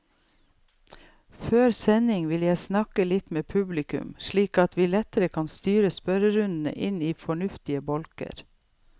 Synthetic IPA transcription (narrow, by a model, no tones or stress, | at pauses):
føːɾsɛnɪŋʋɪljæɪsnɑkəlɪt̪meːpʰʉblɪkʉ̰mʃɭiːkɑt̪ʋiːlɛt̪əɾəkʰɑnst̪yːɾəspœɾəɾʉnd̪n̩ə̰ʔɪniːfɔɳʉft̪ɪəbɔlkə̰ɾ